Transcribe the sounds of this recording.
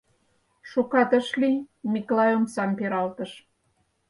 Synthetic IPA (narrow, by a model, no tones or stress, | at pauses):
ʃukɑt̪ə̆ʃlimiklɑjomsɑmpeɾɑlt̪ə̆ʃ